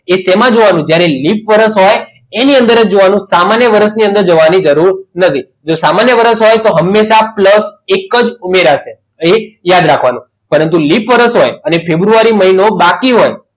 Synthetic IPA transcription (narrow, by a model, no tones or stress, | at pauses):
esɛmãd͡ʒoʋanũd͡ʒjaɾelipʋəɾəsɦoj | eniənd̪əɾəd͡ʒoʋanũsamanjəʋəɾəʃniə̃nd̪əɾd͡ʒəʋanid͡ʒəɾuɾnət̪ʰi | d͡ʒosamanjəʋəɾəsɦojt̪oɦəmːeʃapləsekəd͡ʒumeɾaʃe | ejad̪ɾakʰʋanṵ̃ | pəɾənt̪̬ulipʋəɾəsɦojənefʰebɾuaɾiməɦinobakiɦoj